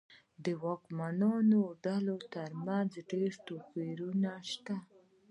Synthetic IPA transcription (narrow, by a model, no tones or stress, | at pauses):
d̪əwɑkmanɑnoɖalot̪aɾmanzɖeɾt̪opiɾunaʃt̪a